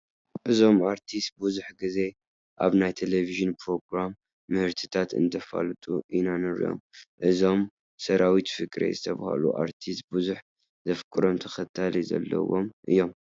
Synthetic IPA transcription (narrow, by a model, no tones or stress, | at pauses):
ʔɨzo̞maɾt̪ʰist̪̚buzuħɡɨze̞ | ʔa̰βnajt̪ʰeleviʒɨnpʰɾo̞ɡɾamː | ɨhɨɾt̪ʰɨ̥t̪ʰat̪ɨ̰nd̪ɐfa̰lɨt̪ʼuʔinanɨɾḭjo̞̰mʔɨzo̞m | sɐɾʔawit̪fɨkʼɾḛzɨt̪ʰɐβa̰ha̰lṵʔa̰ɾt̪ʰist̪̚buzuħ | zɐfkʼɨɾo̞mt̪ʰɐxɐt̪ʰːalizɐ̰lːɐ̰wo̞̰mʔɨ̰jːo̞m